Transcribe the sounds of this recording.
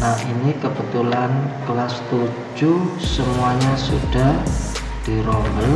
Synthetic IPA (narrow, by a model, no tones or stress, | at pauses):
nainikəb̥ət̪ulanklast̪u̥ | d͡ʒusəmuaɲasṵɖ̥a̤h | d̪̥iɾɔŋbəl